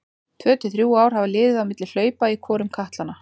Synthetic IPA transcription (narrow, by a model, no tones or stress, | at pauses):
t̪ʰvœːt̪ɪθɾjuːaːwɾ̥havalɪːðɪðawmɪt̪lɪl̥œːɥpaikʰɔːɾʏmkʰaht̪lanːa